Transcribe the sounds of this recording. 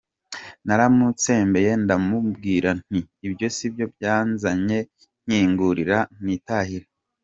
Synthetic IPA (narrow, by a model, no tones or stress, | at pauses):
naɾamut͡se̞ːmbe̞je̞ndamubɡiːɾan̥iːbjo̞sibjo̞bjaːnzaɲe̞ | ŋɲ̥iːŋɡuɾiɾanitaːhiɾe